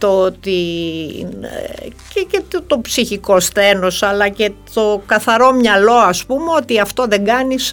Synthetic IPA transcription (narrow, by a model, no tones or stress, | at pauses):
t̪ot̪in | cecet̪t̪o̞psiçiko̞sθe̞no̞sɐlɐce̞t̪o̞kɐθɐɾo̞mɲɐlo̞ɐspumeo̞t̪iɐft̪o̞ðe̞ŋɡɐnis